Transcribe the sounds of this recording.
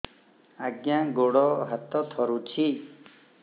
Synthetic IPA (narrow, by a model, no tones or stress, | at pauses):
aɡjãɡoɽɔɦat̪ɔt̪ʰɔɾut͡ʃʰi